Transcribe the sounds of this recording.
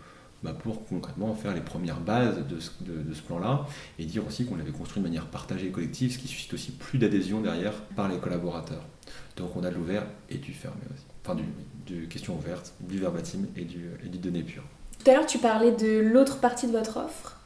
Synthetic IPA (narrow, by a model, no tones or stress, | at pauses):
bapʰuʁkɔ̃kχɛt̪mɑ̃fɛʁlepχəmjɛʁbazd̪əsd̪əd̪əsə̥plɑ̃laed̪iʁosikɔ̃lavɛkɔ̃st̪χid̪əmanjɛʁpaʁt̪aʒeːkɔlɛk̚t̪ʰivsə̥kʲisy̥si̥t̪osiplyd̪ad̪ezjɔ̃d̪ɛʁjɛʁpaʁlekɔlabɔʁat̪œ̰ːʁ | d̪̥ɔ̃kɔ̃nad̪əluvɛʁed̪yfɛ̰ʁmḛo̰si̥ɑ̃fɛ̃d̪yd̪ekʲɛst̪jɔ̃uvɛʁt̪d̪əyvɛʁbat̪ʰimed̪yed̪ed̪ɔnepʰy̰ːʁt̪u̥t̪alœʁt̪ypaʁlɛd̪əlot̪χəpaʁt̪id̪əvɔt̪χɔ̰fχ